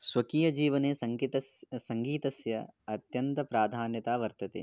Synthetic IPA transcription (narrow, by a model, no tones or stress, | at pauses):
sʋɐkiːjɐd͡ʒiːʋɐneːsɐŋit̪ɐssɐŋɡiːt̪ɐsjɐɐt̪jɐnt̪ɐpɾaːd̪ʱaːnjɐt̪aːʋɐɾt̪ɐt̪ḛ